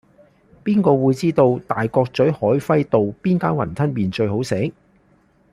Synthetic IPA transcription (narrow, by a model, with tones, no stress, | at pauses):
piː˥nkɔː˧wuː˨˧jt͡siː˥t̪o˧wt̪aː˨jkɔː˧k̚t͡sɵ˨˥ɥhɔː˨˥jfɐ˥jt̪o˨wpiː˥nkaː˥nwɐ̰˨˩nt̪ʰɐ˥nmiː˨nt͡ʃɵ˧ɥɦo˨˥wse˨˥